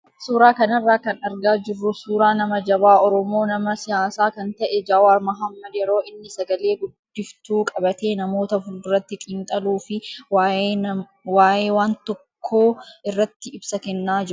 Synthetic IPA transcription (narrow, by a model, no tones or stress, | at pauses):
suːɾaːkɐnɐrːaːkɐnɐɾɡaːd͡ʒɪrːʊsuːɾaːnɐmɐd͡ʒɐbaːɔɾɔmo̞ːnɐmɐsɪjaːsaːkɐnt̪ɐʔɛd͡ʒaːwaːɾmɐɦɐmːɐd̪jɛɾo̞ːɪnːɪsɐɡɐle̞ːɡʊdːɪft̪uːkʼɐbɐt̪eːnɐmo̞ːt̪ɐfʊlrːɐt̪ːɪkʼiːnt̪ʼɐluːfɪa | waːʔe̞ːwaːnt̪ɔkʰːoːɪrːɐt̪ːɪɪbsɐkɛnːaːd͡ʒɪɾʊ